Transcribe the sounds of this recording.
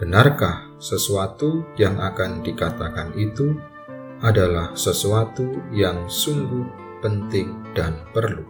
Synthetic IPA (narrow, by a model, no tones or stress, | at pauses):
b̥ənarkah | səsuat̪ujaŋʔakandikat̪akanit̪u | ʔadalahsəsuat̪ujaŋsuŋɡʊh | pənt̪ɪŋd̥anpərlu